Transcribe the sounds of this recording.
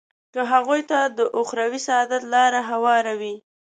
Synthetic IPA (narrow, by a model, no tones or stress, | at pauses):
kəɦaɣujt̪ad̪əʔʊxɾawisaɑd̪at̪lɑɾaɦawɑɾawi